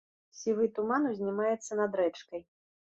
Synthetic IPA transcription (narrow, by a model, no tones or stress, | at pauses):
sʲivɨt̪umanuzʲnʲimajɛt̪sːɐnɐd̪ɾɛt͡ʂkɐj